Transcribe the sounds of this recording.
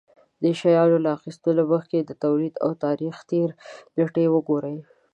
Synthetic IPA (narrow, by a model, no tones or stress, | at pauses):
d̪əʃajɑlolaaxist̪oləməxked̪ət̪awlid̪a̰wt̪ɑɾixt̪eɾləʈewəɡoɾəj